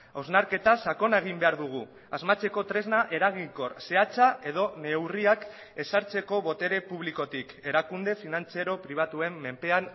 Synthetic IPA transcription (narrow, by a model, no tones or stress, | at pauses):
awznaɾke̞t̪asako̞naeɣ̞imbe̞aɾðuɣ̞u | azmat͡se̞ko̞t̪ɾe̞znaʔe̞ɾaɣ̞iŋko̞rse̞at͡sae̞ð̞o̞ne̞wriak | e̞saɾt͡se̞ko̞βo̞t̪e̞ɾe̞puβ̞liko̞t̪ike̞ɾakund̪e̞finant͡seɾo̞pɾiβ̞at̪ue̞mːe̞mpe̞an